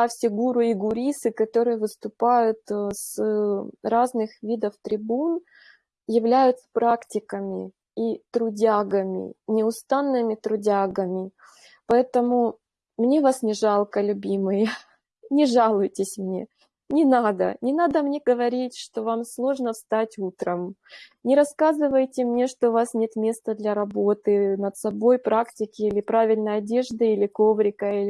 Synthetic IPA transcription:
əffʲɪɡuɾʊɪɡʊɾʲisɨkɐt̪o̞ɾɨjəvɨst̪ʊpajʊt̪s | ɾaznɨxvʲid̪əft̪ɾʲɪbun | jɪvlʲæjʊt̪sə̥pɾaktʲɪkəmʲɪ̰ | it̪ɾʊdʲaɡəmʲɪ̰nʲɪʊst̪anːɨmʲɪt̪ɾʊdʲaɡəmʲɪ | pɐɛt̪əmʊ | mnʲe̞vasnʲɪʐɑlˠkəlʲʊbʲimɨjə | nʲɪʐalˠʊjtʲɪsʲmnʲe̞̰ | nʲɪnad̪ə̰nʲɪnad̪əmnʲe̞ɡəvɐɾʲitʲʂt̪o̞vamslˠo̞ʐnəfst̪atʲut̪ɾəmnʲɪɾɐskazɨvəjtʲɪmnʲe̞ʂt̪oʊvasnʲe̞t̪mʲe̞st̪əd̪lʲɐɾɐbo̞t̪ɨnət̪sɐbo̞jpɾaktʲɪkʲɪilʲɪpɾavʲɪlʲnəjɐdʲe̞ʐd̪ɨilʲɪko̞vɾʲɪkəilʲɪ

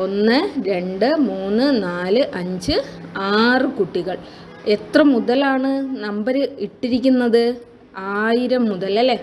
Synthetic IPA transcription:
o̞nːɨɾe̞ɳɖɨmuːnːɨnaːlɨʔɐɲd͡ʑɨaːrɨkuʈːiɣɐɭ | et̪rɐmːuðɐlaːɳɨnɐmbɐɾɨiʈːiɾik̬ʲːunːɐðɨ | aːjiɾɐmːuðɐlɐlːe

